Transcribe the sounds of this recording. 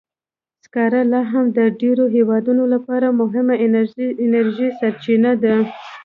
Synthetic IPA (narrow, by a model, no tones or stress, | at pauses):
skɑɾalɑɦamd̪əɖeɾoɦewɑd̪unolapɑɾamʊɦɪmaɪnaɾʒisaɾt͡ʃinad̪a